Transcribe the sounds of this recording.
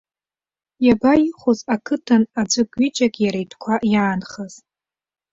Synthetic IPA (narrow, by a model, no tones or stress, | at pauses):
jabaiχʷozakʰɨtʰanad͡ʒʷɨɡʼɥit͡ʃʼakʲʼjaɾajtʰkʷʰaʔjaːnχaz̥